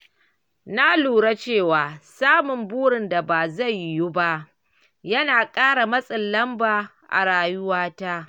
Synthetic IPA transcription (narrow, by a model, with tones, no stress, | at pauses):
na˦luː˨ɽa˦t͡ʃeː˦˨waː˨saː˦mʊ˨mbuː˦ɽɪ˨nda˨baː˨za˦˨jːu˦ba˦ʔ | jɐ˦naː˨kʼaː˦ɽa˨mɐ˦sʼɪ˨nːɐ˦mbaː˨ | ʔa̰˨ɽaː˨jʊ˦waː˦ta˦ʔ